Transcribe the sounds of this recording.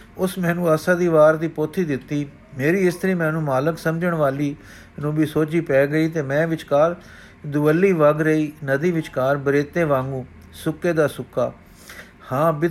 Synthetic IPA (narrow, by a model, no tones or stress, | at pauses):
ʊsmɛ̃ːnũːaːsãːd̪iːʋaːɾd̪iːpoːt̪ʰːiːd̪ɪt̪ːiː | meːɾiːɪst̪əɾiːmɛ̃ːnũːmaːləksəmd͡ʒəɳʋaːliː | nũːbiːsoːt͡ʃiːpɛːɡəiːt̪eːmɛ̃ːʋɪt͡ʃkaːɾ | d̪ʊʋəlːiːʋaɡɾəiːnəd̪iːʋɪt͡ʃkaːɾbəɾeːt̪ẽːʋãːŋɡũː | sʊkːeːd̪aːsʊkːaː | hãːbɪ